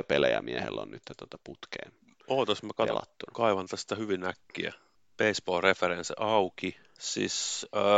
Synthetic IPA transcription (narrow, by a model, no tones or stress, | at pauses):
pelejæmiehḛlːo̰nnyt̪ːæt̪ot̪ɑput̪keːn | oːt̪ɑsmːækɑtḛlɑ̰t̪ːunɑkɑiʋɑnt̪ɑsi̥t̪æhyʋinnækːiæ̰ | peispoːrefeɾensɑuki | sḭsəː